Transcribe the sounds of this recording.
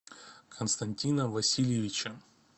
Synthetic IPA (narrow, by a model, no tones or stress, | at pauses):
kʰənst̪ɐnʲtʲinəvɐsʲilʲjɪvʲɪt͡ɕə